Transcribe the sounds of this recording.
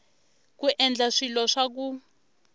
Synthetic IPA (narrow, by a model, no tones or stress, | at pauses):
kuʔɛnd͡ɮaʂilɔʂak̬u